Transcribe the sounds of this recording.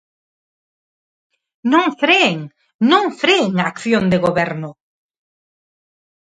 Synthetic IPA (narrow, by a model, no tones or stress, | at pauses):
nõŋfɾeeŋ | nõŋfɾeeŋaːkθjõnd̪eɣoβɛɾnʊ